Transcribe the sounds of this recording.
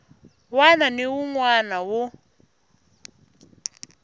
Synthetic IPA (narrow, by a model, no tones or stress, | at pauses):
wananɪwuŋwanawʊ